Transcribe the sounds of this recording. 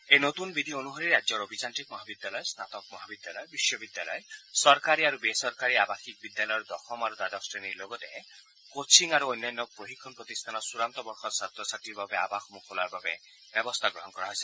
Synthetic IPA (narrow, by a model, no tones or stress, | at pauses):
enot̪unbid̪ʱionuɦɔɾiɾad͡ʒjɔɾobʱid͡ʒanʈikmɔɦabid̪jalɔesnat̪ɔk̚mɔɦabid̪jalɔebisjɔbid̪jalɔ̰esɔɾkaɾiaɾubesɔɾkaɾiabaxik̚bid̪jalɔjɔɾd̪ɔxɔmaɾud̪ad̪ɔksɾeniɾloɡɔt̪e | kot͡ʃʰiŋaɾuojnːanːɔpɾoɦikʰːɔnpɾɔt̪ist̪ʰanɔsuɾant̪ɔbɔɾxɔsat̪ɾɔsaʈiɾbabea̰baxɔmukʰolaɾbabe | bjɔbɔst̪ʰaɡɾɔɦɔnkɔɾaɦɔjsi